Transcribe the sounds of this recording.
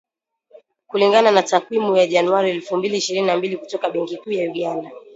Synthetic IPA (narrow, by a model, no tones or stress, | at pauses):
kuliŋɡananatakwimujaʄanuaɾiɛlfumbiliːʃiɾininambilikutɔkaɓɛŋkikuːjajuɠanda